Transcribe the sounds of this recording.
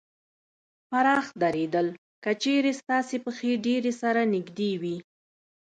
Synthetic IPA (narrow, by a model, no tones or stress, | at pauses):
faɾɑxd̪aɾed̪əl | kət͡ʃeɾest̪ɑsepəxeɖeɾesaɾanɪɡd̪ewi